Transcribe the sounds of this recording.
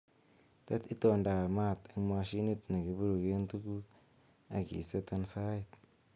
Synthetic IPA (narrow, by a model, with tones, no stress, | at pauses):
t̪a˦t̪i˦t̪o˨nda˨ma˦˨t̪a˨ŋma˧ʃi˦ni˦t̪na˨ɡi˨bu˦ɾu˨ɡe˦nt̪u˦ku˦ | a̰˨ɡḭ˨sa˦t̪a˧nsa˦jt̪